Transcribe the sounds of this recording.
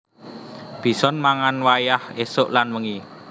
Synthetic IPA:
b̥i̤sɔnmaŋanwajahesʊʔlanwəŋi

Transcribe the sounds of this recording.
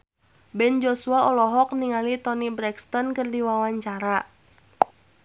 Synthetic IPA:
bɛnd͡ʒɔsuaɔlɔɦɔk̚niŋalit̪ɔnibɾɛkst̪ɔnkɨrdiwawaɲt͡ʃaɾa

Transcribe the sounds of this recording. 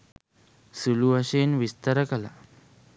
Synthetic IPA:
suluaɕenʋist̪aɾəkala̰

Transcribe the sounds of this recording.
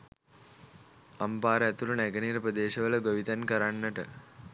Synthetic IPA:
ampaːɾəæt̪uɾunæɡəniːɾəprəd̪eːʃəʋələɡoʋit̪ankəɾanːəʈə

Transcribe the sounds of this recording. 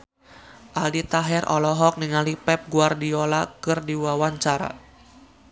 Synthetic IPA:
ʔaldit̪aɦɛrɔ̰lɔɦɔk̚niŋalipɛp̚ɡuardiolakɨrdiwawaɲt͡ʃaɾa̰

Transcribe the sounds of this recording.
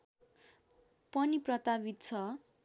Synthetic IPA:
pʌniprʌt̪abit̪̚t͡sʰʌ

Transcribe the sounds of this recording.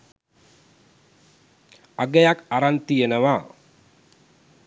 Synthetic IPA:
aɡejakaɾant̪ijenəʋa

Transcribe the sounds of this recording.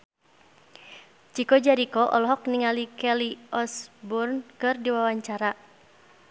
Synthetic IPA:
t͡ʃikɔd͡ʒaɾikɔʔɔlɔɦɔk̚niŋalikɛliʔɔsburnkɨrdiwawaɲt͡ʃaɾa

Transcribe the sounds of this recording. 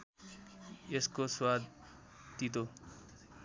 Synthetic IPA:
eskoswad̪̚ | t̪it̪o

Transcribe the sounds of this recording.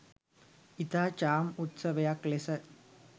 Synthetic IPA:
it̪aːt͡ʃaːmut̪sɐʋɐjaklesɐ

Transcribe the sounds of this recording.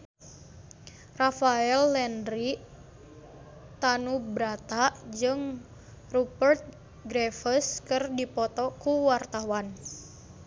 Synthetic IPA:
rafaɛlːɛndɾi | t̪anubɾat̪aʔd͡ʒɨŋ | rupərt̪̚ | ɡɾɛfəskɨrdipɔt̪ɔkuwart̪awan

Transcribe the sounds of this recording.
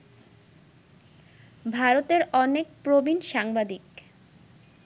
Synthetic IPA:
bʱaɾot̪eɾɔnek̚pɾobinʃaŋbad̪ik

